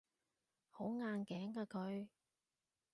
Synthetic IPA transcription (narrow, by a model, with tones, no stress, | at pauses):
ho˨˥wŋaː˧nkɛː˨˥ŋkaː˧kɵ˧ɥ